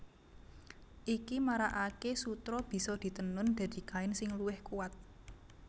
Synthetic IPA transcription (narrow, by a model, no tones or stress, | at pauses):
ʔikimaɾaʔakesut̪ɾɔb̥i̤sɔd̪̥i̤t̪ənʊnd̪̥a̤d̪̥i̤kaɪnsɪŋluwɪhkuwat̪̚